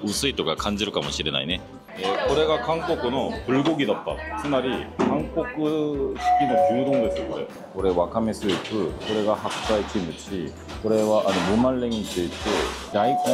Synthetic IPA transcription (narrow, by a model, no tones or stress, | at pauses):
us͈ʰɯit͈oɡakand͡ʑɯɾɯk͈amɯɕʰiɾena̰ine | jekoɾeɡakaŋk͈okʰɯnopuɭɡoɡidap̚p͈a̰kʰɯmaɾikaŋk͈okɯɕʰi̥k͈inɯpudoŋdes͈ɯkoɾḛ | oɾe̞wakʰames͈ʰɯik͈ʰɯkoɾe̞ɡahak̚s͈ait͡ɕʰɯmɯt͡ɕʰi | koɾe̞waʔaɲimumaɭːeŋit͡ɕɯɭt͈ɯnaik